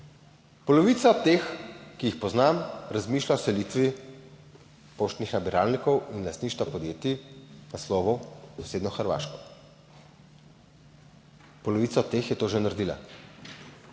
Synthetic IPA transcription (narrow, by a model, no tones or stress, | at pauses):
pɔlɔʋiːt̪saɔt̪eːxkijixpɔznamɾazmiːʃlaɔsɛliːt̪ʋi | poːʃt̪nixnabiɾaːlnikɔwinlast̪niːʃt̪ʋapɔd̪jeːt̪inaslɔːʋusɔ̥seːd̪nɔxəɾʋa̰ːʃkɔ | pɔlɔʋiːt̪saɔt̪t̪ːeːxjɛt̪oːʒɛnaɾd̪iːla̰